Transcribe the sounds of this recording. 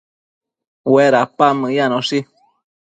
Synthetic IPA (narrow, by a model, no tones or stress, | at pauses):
weɾapaməjanõsi